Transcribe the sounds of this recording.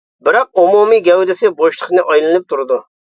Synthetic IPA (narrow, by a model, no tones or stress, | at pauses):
bɪɾɑq̚umumijɡʲɛwd̪ɪsɪboʃlˠʰəqnɨʔɑjlˠɨnɨp̚t̪ʰuɾɨd̪u